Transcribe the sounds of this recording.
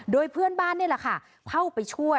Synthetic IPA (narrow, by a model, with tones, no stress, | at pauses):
doː˧jpʰɯ˥˩ənbaː˥˩nːi˥˩la˧˩kʰa˥˩ | kʰa˥˩wpa˧jt͡ɕʰu˥˩əj